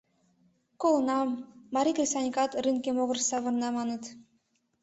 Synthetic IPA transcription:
kolˠɤnɑmːɑɾʲikrʲisɑnʲikɑt̪rɨnkʲemoɣɤ̆rsɑβɤ̆rnɑmɑnɤ̆t̪

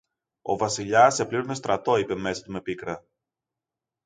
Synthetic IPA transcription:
o̞̰vɐsiʎɐsepliɾunest̪ɾɐt̪o̞ipe̞me̞sɐt̪ume̞pikɾɐ

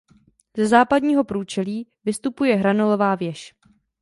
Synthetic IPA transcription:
zɛzaːpadɲiːɦo̞pɾuːt͡ʃɛliːvɪst̪upujɛɦɾanolovaːvjɛʃ

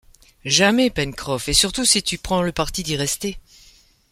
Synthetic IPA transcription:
ʒamɛpɛnkχɔfesyʁt̪usit̪ypχɑ̃ləpaʁt̪id̪iʁɛst̪e

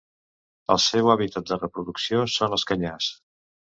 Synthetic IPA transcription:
əlˠsɛwaβit̪ət̪̚d̪ərəpɾuðuksiosonəlˠskəɲas

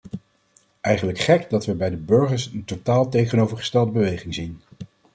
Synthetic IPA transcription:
ʔɛjχənləkχɛkdɑtʋəbɛjdəbɵɹχəɹsəntotaːlˠtejχənowvəɹχə̥stɛlˠdəbəʋejχɪŋzin

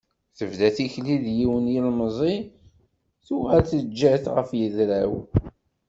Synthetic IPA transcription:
θəvðæθiçliðjiwənjilməzˤi | θuʁælθəd͡ʒːæθʁə̰fjəðɾæw

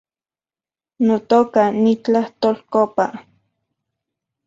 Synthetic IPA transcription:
not̪okanit͡ɬaht̪olkopa

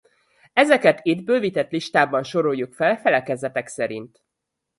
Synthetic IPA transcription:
ɛzɛkɛt̪iːd̪bøːvit̪ɛt̪liʃt̪aːbɒnʃo̞ɾo̞jːukfɛlfɛlɛkɛzɛt̪ɛksɛɾḭnt̪

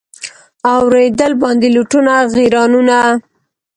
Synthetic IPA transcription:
awɾed̪əlbɑnd̪eluʈunaɣiɾɑnuna

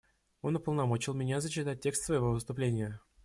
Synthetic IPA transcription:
o̞nʊpəlˠnɐmot͡ɕɪlˠmʲɪnʲazət͡ɕːɪt̪at̚ʲːe̞kst̪svəjɪvo̞vɨst̪ʊplʲenʲɪjə

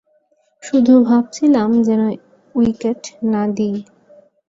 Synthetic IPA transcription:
ʃud̪ʱubʱab̚t͡ɕʰilamd͡ʑɛno | wikeʈnad̪i

